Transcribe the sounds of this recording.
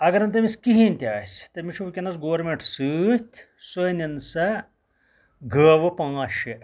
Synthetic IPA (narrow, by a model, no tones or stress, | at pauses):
ɐɡɐɾɐnt̪̬ɐmiskiɦiːnʲt̪ʲaːsʲt̪ɐmiʃuʋkʲɐnɐt͡sɡoʋɐɾmeɳʈsɨːt̪ʲʰ | sonɐnsɐ | ɡʱəːʋɐpãːʃe